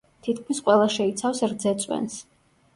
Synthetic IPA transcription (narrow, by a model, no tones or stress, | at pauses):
t̪ʰit̪kʰmisqʼwɛlˠaʃɛit̪sʰafsɾd̪zɛt̪sʼwɛ̰ns